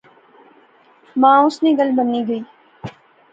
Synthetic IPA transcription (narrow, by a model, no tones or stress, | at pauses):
mãːʊsneɡɐlbɐniɡɐiː